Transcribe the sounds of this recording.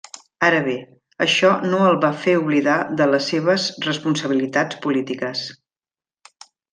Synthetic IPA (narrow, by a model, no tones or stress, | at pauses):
aɾəβe | əʃɔnoəlˠβafeuβliðaðələsːeβəzrəspunsəβ̞ilit̪at͡spulit̪ikəs